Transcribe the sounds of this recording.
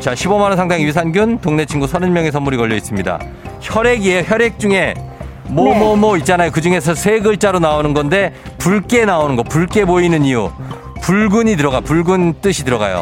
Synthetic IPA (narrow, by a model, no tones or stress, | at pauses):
t͡ɕaɕʰibʌmanʌnsʰaŋdaŋijis̬ʰanɡjuntoŋne̞t͡ɕʰiŋɡusʰʌnɯnmjʌŋe̞sʰʌmːuɾikʌʎːʌis͈ɯmɲida̰ | çʰʌɾe̞ɡieçjʌɾe̞k̚t͡ɕ͈uŋe̞ | mʌmʌmʌit͡ɕ͈anajokɯd͡ʑuŋe̞sʰʌsʰe̞ɡɯɭt͡ɕ͈aɾonaonɯnɡʌnde̞puɭk͈e̞naonɯnɡʌpuɭk͈e̞boinɯɲiju | puɭɡuɲit̬ɯɾʌɣajopuɭɡunt͈ɯɕʰitɯɾʌɡa̰jo̰